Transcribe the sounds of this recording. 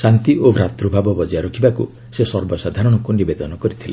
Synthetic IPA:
sant̪iʔobɾat̪ɾubʱabɔbɔd͡ʒɔjaɾɔkʰibakṵ | sesɔɾbɔsad̪ʱaɾɔɽ̃ɔkunibed̪ɔnɔkɔɾit̪ʰile

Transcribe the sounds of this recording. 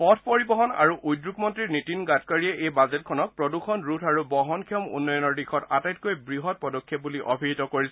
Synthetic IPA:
pɔtʰpoɹibɔɦɔna̰ɹuʔujdɹukmɔntɹiɹnitinɡatkaɹiɛʔejbazɛt̚kʰɔnɔk̚pɹɔdukʰɔnɹutʰaɹubɔɦɔnkʰiɔmṵnːɔjɔnɔɹdixʰɔtatajt̚kojbɹiɦɔt̚pɔdɔkʰːjɛp̚buliʔɔ̰bʱiɦitɔkoɹisɛ

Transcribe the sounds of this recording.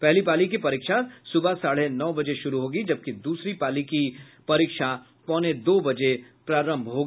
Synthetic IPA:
pɛɦlipaːlik̬ipɐɾiːkʃasʊbʱasaːɽ̤enɔːbɐd͡ʒeʃʊɾuɦoːɡid͡ʒɐb̚kid̪uːsɾipaːliki | pɐɾiːkʃa | pɔ̃ːned̪oːbɐd͡ʒepɾaːɾə̃mbʱɦoːɡi

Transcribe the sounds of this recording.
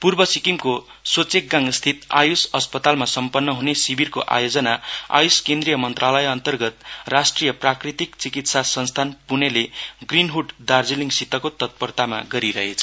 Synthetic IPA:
purbʌsikimko | sot͡sek̚ɡãŋst̪ʰit̪a̰jusʌspʌt̪almasʌmpʌnːʌɦunesibirkoʔa̰jod͡zʌnaa̰juskend̪rijʌmʌnt̪ralʌjʌnt̪ʌrɡʌt̪rasʈrijʌprakrit̪ikt͡sikit̪sasʌnst̪ʰanpuneleɡrinɦuʈd̪ard͡ziliŋɡsit̪ʌkot̪ʌt̪̚pʌrt̪ama̰ɡʌɾiɾʌɦet͡sʰʌ̥

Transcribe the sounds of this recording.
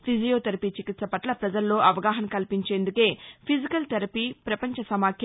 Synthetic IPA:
pʰid͡ʒijoːt̪ɐɾɐpit͡ʃikit̪sɐpɐʈlɐpɾɐd͡ʒɐlːo̞ːʔɐʋɐɡaːɦɐmkɐlpiɲt͡ʃe̞ːnd̪uke̞ːpʰid͡ʒikɐlt̪ɐɾɐpipɾɐpɐɲt͡ʃɐsɐmaːkʰj

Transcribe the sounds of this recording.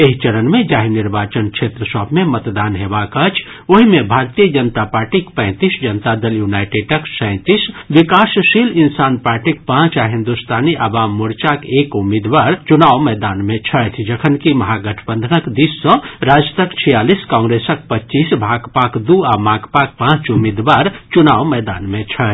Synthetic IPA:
eɦit͡ʃəɾənmed͡ʒaɦiniɾbat͡ʃənkʃʰet̪ɾəsəbʱmemət̪d̪anɦebakət͡ʃʰ | oɦimebʱaɾt̪ijəd͡ʒənt̪apaɾʈikpə̃ɪ̃t̪isd͡ʒənt̪ad̪əljunajʈeɖʈəksəɛ̃ɪ̃t̪isbikasʃilinsanpaɾʈikpãt͡ʃaɦĩnd̪ust̪ʰaniʔabamːuɾt͡ʃakekumid̪ʋaɾt͡ʃunawmɛjd̪anmet͡ʃʰət̪ʰd͡ʒəkʰənkimɐɦaɡəʈʰəbənd̪ʱənəkd̪isːə̃ɾad͡ʒət̪əkt͡ʃʰijaliskãŋɡɾesək̚pət͡ʃisbʱaɡpakd̪uamaɡpak̚pãt͡ʃumid̪ʋaɾt͡ʃunawmɛd̪a̰nmet͡ʃʰət͡ʃ̪

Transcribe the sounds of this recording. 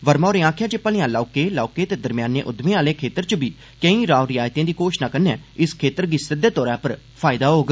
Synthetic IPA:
ʋəɾmaːɾẽːãːkʰjãːt͡ʃepːəlɪ̃ãːlaːʊkeːlaːkeːt̪eːd̪əɾmjaːnḛ̃ːʔʊd̪mẽːaːlẽːkʰeːt̪əɾt͡ʃəbiː | kə̃ĩːɾaːoɾɪjaːjt̪ẽːd̪iːkoːʃnaːkənɛ̰̃ːɪskʰeːt̪əɾɡɪsɪd̪eːt̪ɔːɾãːpəɾ | pʰaːɪd̪aːɦoːɡ

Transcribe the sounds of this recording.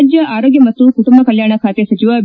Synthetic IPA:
d͡ʒjəʔaːɾoːɡjɐmɐt̪ːukuʈumbʱakəljaːɽ̃akʰaːt̪esɐt͡ʃiʋab

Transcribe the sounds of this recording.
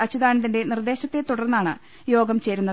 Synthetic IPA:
ɐt͡ɕːud̪aːnɐt̪ːinde̞nird̪e̞ːɕɐt̪ːe̞t̪uɽɐrnːaːɳɨ | jo̞ːɡɐmt͡ɕe̞ːɾunːɐ

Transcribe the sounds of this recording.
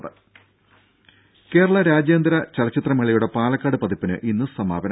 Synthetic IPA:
ðɨ | ke̞ːɾɐɭɐɾaːd͡ʑjɐːnd̪ɾɐt͡ɕɐlɐt͡ɕːit̪rɐmɐɭijuɽe̞paːlɐkːaːɽɨpɐðipːinɨ̰ʔinːɨsɐmaːbɐn

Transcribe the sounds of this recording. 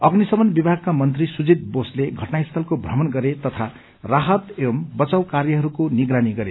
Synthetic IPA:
ʌɡnisʌbʌnbibʱaɡ̚kamʌnt̪risud͡zit̪̚bosleɡʱʌʈnaist̪ʰʌlkobʱrʌmʌnɡʌɾet̪ʌt̪ʰa | raɦʌt̪embʌt͡sawkarjʌɦʌɾukoniɡɾaniɡʌɾe

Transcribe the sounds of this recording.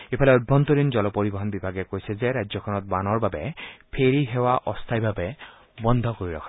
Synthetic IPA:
epʰalɛɔd̚bʱɔnt̪ɔɾinzɔlɔpoɹibɔɦɔnbibʱaɡɛkojsɛzɛɾad͡ʒzɔkʰɔnɔt̪̚banɔɹbabɛpʰeɹiɦewaʔɔst̪ʰajbʱabɛ | bɔnd̪ʱɔkoɹiɹɔ̰kʰɔ

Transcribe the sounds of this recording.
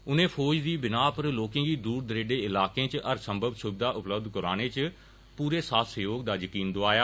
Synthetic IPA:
ʊnẽːpʰoːd͡ʒd̪iːbɪnaːpəɾloːkẽːɡiːd̪uːɾd̪əɾeːɖeːɪlaːkẽːt͡ʃəɾsə̃mbʱəbsʊbɪd̪aːʔʊpləb̚d̪kəɾaːneːt͡ʃ | puːɾeːsaːfsəjoːɡ̚d̪aːjəkiːnd̪oaːjaː

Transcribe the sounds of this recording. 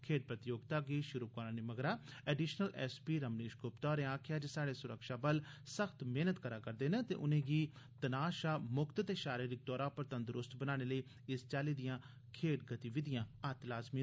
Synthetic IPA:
kʰeːʈ̚pɾət̪ɪjoːɡt̪aːɡiːʃʊɾuːkoɾãːniməɡɾaːɛːɖiːʃnəlɛ̰ːspiːɾəmniːʃɡʊpt̪ɔːɾẽːãːkʰjaːd͡ʒesaːɽeːsʊɾəkʃaːbəlsəxʰt̪meːnət̪kəɾaːkəɾd̪eːnẽːt̪ḛːʔʊnẽːɡiː | t̪ənaːʃaːmʊkt̪t̪eːʃaːɾiːɾɪk̚d̪ɔːɾãːpəɾt̪ənd̪əɾʊst̪bənaːɽ̃eːləiː | ɪst͡ʃaːliːd̪ɪjãː | kʰeːʈɡət̪iːʋɪd̪ɪjãːat̪laːzmiː

